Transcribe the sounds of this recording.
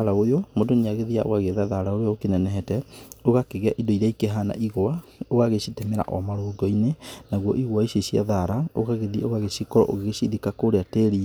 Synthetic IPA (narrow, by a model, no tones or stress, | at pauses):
aɾaojomodoniaɣeðiaʔo̰ɣaɣeðaðaɾaoɾeɔokenɛnɛɦɛtɛoɣakeɣeaʔidoiɾaikeɦana̰ʔiɣoaoɣaɣeɕitɛmɛɾa̰ʔɔmaɾoɡɔinenaɣwɔʔiɣoaiɕeɕia̰ðaɾaoɣaɣeðiaoɣaɣesikɔɾɔ̰ʔo̰ɣeɣeʃiðikakoɾeateɾi